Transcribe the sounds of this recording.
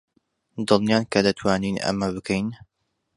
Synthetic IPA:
d̪ɨlˠnjaːnkʰɐd̪ɐt̪ʰwaːninʔɐ̰mɐbɨkʰejn

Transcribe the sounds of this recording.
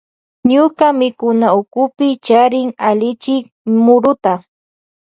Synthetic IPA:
ɲʊkamɪkʊnaʊkʊpɪt͡ʃaɾɪŋalɪt͡ʃɪk̚ | mʊɾʊt̪a

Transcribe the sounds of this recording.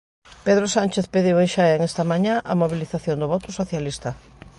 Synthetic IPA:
peðɾosanʲt͡ʃeθpeðiwenʃaeŋest̪ɐmãɲãʔɐmoβiliθaθjond̪ʊβɔt̪ʊsoθjalist̪ɐ

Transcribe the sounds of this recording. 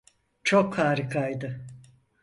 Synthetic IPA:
t͡ʃʰokhaːɾɯkʰajd̪ɯ

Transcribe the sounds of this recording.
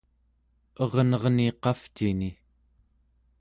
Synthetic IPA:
ʌʁnʌʁniqɑft͡ʃini

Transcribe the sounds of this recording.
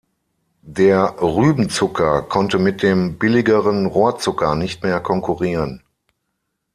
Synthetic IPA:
deːɐʁyːbn̩t͡sʊkʰɐkʰɔntəmɪt̚d̥eːmbɪlɪɡəʁənʁoːɐt͡sʊkɐnɪçtmeːɐkʰɔŋkʰuʁiːʁən

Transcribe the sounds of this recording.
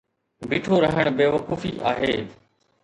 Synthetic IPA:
biːʈʰoɾɐɦəɽ̃beːʋɐkuːfiʔa̰ːɦeː

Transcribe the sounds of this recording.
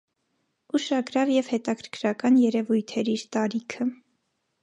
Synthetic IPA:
uʃɑɡɾɑvjɛvhɛt̪ɑkʰəɾkʰɾɑkɑnjɛɾɛvujt̪ʰɛɾiɾt̪ɑɾikʰə

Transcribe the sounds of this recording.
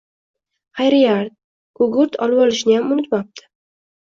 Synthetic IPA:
χajɾɪjaɾt̪̚ | ɡ̥ʊɡʊɾt̪ʰɒ̰lˠbɒlɪʃnɪjamʊnɪt̪map̚t̪ʰɪ̥

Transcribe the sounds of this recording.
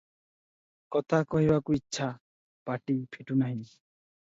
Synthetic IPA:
kɔt̪ʰakɔɦibakuitːʃʰa | paʈipʰeʈunaɦĩ

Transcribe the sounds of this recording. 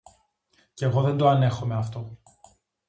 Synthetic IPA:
ceːɣo̞ðe̞nd̪oɐne̞xo̞me̞ɐft̪o̞

